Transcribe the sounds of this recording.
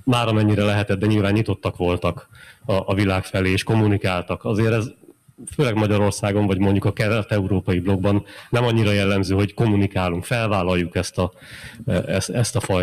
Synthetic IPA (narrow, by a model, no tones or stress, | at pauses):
maːɾɒmɛɲːiɾɛlɛɦɛt̪ɛd̪̚d̪ɛɲiːlvaːɲːit̪o̞t̪ːɒkʋo̞lt̪ɒkɒʔːvilaːkfɛleːeːʃko̞munikaːlt̪ɒkɒzeːɾɛz | føːlɛɡmɒɟɒɾo̞rsaːɡo̞ɱvɒɟmo̞ɲɟukɒkɛɾɛt̪ɛuɾoːpɒjiblo̞ɡ̚bɒnːɛmɒɲːiɾɒjɛlːɛmzøːɦo̞ɟko̞munikaːluŋkfɛlvaːlɒjːukɛst̪ɒ | ɛst̪ɛst̪ɒfɒj